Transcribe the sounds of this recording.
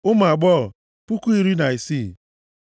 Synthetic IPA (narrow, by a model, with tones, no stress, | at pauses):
ʊ˦m˨a˨ɡ͡bɔ˦˨ | pu˦ku˦i˦ɾi˦na˨i˨si˦˨